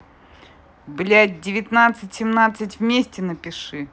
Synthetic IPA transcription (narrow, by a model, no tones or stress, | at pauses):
blʲæd̚ʲdʲɪvʲɪt̪nat̪sɨtʲsʲɪmnat̪sɨtʲvmʲesʲtʲɪnəpʲɪʂɨ